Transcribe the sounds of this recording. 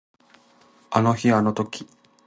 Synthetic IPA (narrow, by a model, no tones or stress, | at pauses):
ano̞çiano̞t̪o̞kʲi̥